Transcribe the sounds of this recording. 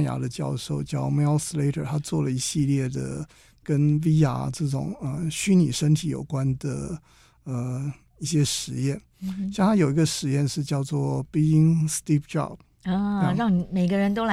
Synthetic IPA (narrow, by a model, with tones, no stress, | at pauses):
ja̰˧˥d̪ə˧t͡ɕjɑ˥˧ʊʂo˥˧ʊt͡ɕjɑ˥˩ʊme˧˥lsle˥ɪtʰə̰˨˩t̪ʰa˥t͡swɔ˥˩lə˩i˧˥ɕi˥˧ljɛ˥˩d̪ə̰˩ | kə˥nwi˥ja̰˨˥ʈ͡ʂɤ˥˩ʈ͡ʂʊ̰˨˩ŋə˧˩ɕy˥ni˨˩ʂə˥nt̪ʰi˧˥jo̰˨˩ʊkwa˦nd̪ə˨˩ | ə˧ | i˥˩ɕjɛ˥ʂɻ̩˧˥jɛ˥˩n | ɕjŋt̪ʰa˥jo˨˩ʊi˧˥ɡə˧ʂɻ̩˧˥jɛ˥˧nʂɻ̩˥˧t͡ɕjɑ˥˧ʊt͡swɔ˥˩pi˥i˥ŋst̪i˥˩pʈ͡ʂɑ̰˥˨b̚ | ɻɑ˥˩ŋni˧˥me˨˩ɪɡə˧ɻə˧˥nt̪o˥ʊla˧